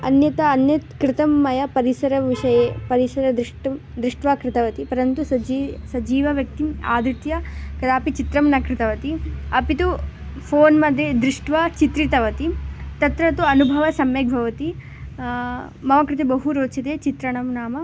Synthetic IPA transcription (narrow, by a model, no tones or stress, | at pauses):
ɐ̰njɐt̪ɐːnjɐt̪kɾɪt̪ɐmːɐjɐpɐɾisɐɾɐʋiʂɐjeːpɐɾisɐɾɐd̪ɾiʂʈɐm | d̪ɾiʂʈʋaːkɾɪt̪ɐʋɐt̪ipɐɾɐnt̪usɐd͡ʒisɐd͡ʒiːʋɐʋjɐk̚t̪ima̰ːd̪ɾit̪jɐkɐd̪aːpit͡ʃit̪ɾɐmnɐkɾɪt̪ɐʋɐt̪iɐpit̪u | pʰoːnmɐd̪ʱjed̪ɾɪʂʈʋat͡ʃit̪ɾit̪ɐʋɐt̪it̪ɐt̪ɾɐt̪uɐnubʱɐʋɐsɐmjeɡ̚bʱɐʋɐt̪i | mɐmɐkɾɪt̪ɐbɐɦuɾoːt͡ʃɐt̪eːt͡ʃit̪ɾɐɳɐmnaːmɐ